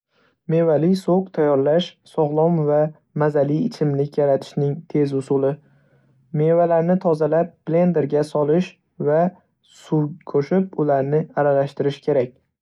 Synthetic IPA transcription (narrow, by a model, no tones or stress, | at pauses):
me̞valɪsoqt̪ʰajɒɾlaʃsɒʁlˠɒmva | mazaliɪt͡ʃʰɪmlɪkʲjaɾat̪ʰɪ̥ʃnɪŋt̪ʰe̞zʊsʊlɪ | me̞valaɾnɪt̪ʰɒzalap̚b̥le̞nd̪e̞ɾɡʲasɒlɪʃ | va | sukʰɵʃɪp̚ʊlaɾnɪaɾalaʃt̪ɪɾɪʃkʲʰe̞ɾakʲ